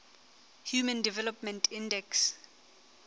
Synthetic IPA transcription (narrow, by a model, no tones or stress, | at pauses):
hjumãndivɛlɔpmɛ̃ntʰĩndɛks